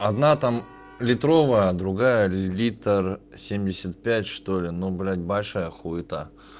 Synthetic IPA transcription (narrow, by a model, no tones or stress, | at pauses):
ɐd̪nat̪am | lʲɪt̪ɾo̞vəjəd̪ɾʊɡajəlʲit̪ərsʲemʲdʲɪsʲət̪̚pʲætʲʂt̪olʲɪnoblʲætʲbɐlʲʂajəxuɪt̪ə